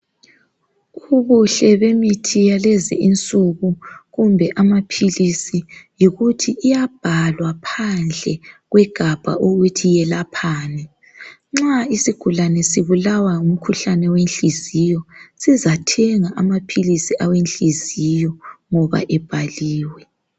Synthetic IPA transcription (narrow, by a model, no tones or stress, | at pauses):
uβuɬɛβemitʰijalezḭint͡sʼuɣuɣumbʱɛʔamapʰilisijiɣutʰiːjab̥ʱalwapʰand͡ɮʱɛɣwɛɡ̥ʱab̥ʱa̰ʔoɣutʰijɛlapʰaːnɛ | ŋ͡ǁaisiɡ̥ʱulanɛsiβulawaum̩kʰuɬanɛwenɬizijɔsizatʰɛŋaʔamapʰilisiʔawenɬizijɔŋɔβa̰ʔɛb̥ʱaliːwɛ